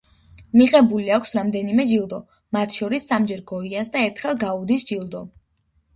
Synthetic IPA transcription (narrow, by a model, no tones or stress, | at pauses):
miʁɛbuliakʷʰsɾamd̪ɛnimɛd͡ʒilˠd̪ɔ | mat̪ʰʃɔɾisːamd͡ʒɛɾɡɔiansd̪aɛɾt̪ʰχɛlˠɡaud̪isd͡ʒilˠd̪ɔ